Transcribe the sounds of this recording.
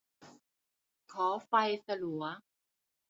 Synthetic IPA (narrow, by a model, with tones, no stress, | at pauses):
kʰɔː˩˦fa˧jsa˧lu˩˦ɐ